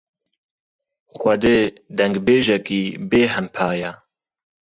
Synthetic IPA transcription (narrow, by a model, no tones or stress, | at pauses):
xʷɛd̪eː | d̪ɛŋɡbeːʒɛkiːbeːɦɛmpʰaːja